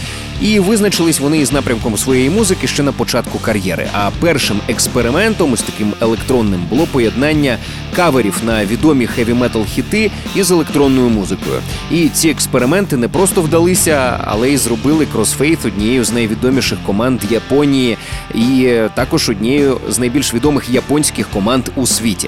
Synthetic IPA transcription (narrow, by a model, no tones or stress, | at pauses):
iʋɪznɐt͡ʃɪlˠɪsʲʋɔnɪiznɑpɾʲɐmkɔmsʋɔjejimuzɪkɪʃt͡ʃɛnɐpɔt͡ʃɑt̪kʊkɐrjɛ̰ɾɪ̰ʔɐpɛrʃɪmekspeɾɪmɛnt̪ɔmst̪ɐkɪmelˠekt̪ɾɔnːɪmbʊlˠɔpɔjed̪nɑnʲːɐ | kɑʋeɾʲiwnɐʋʲid̪ɔmʲixɛʋʲimɛt̪ɐlˠxʲit̪ɪizelˠekt̪ɾɔnːɔjʊmuzɪkɔ̰jʊ̰ | it͡sʲiekspeɾɪmɛnt̪ɪnɛpɾɔst̪ɔwd̪ɐlˠɪsʲɐɐ̰lˠɛizrɔbɪlˠɪkɾɔsfɛjθɔdʲnʲiɛjʊznɐjʋʲid̪ɔmʲiʃɪxkɔmɑnd̪jɐpɔnʲijiit̪ɑkɔʒɔdʲnʲɛjʊznɐjbʲilʲʃʋʲid̪ɔmɪxjɐpɔnʲsʲkɪxkɔmɑnd̪̥usʲʋʲitʲḭ